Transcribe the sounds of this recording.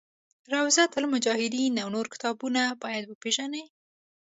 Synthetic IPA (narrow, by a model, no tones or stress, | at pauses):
ɾawzat̪lmʊd͡ʒɑhɪd̪inawnoɾkɪ̥t̪ɑbunabɑjad̪wəpeʒanəj